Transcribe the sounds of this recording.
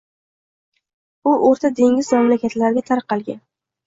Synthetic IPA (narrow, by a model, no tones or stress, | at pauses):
ʊʔoɾt̪ʰad̪e̞ŋʲɪzmamlakʲat̪laɾɡʲat̪ʰaɾqːɑlˠɡʲan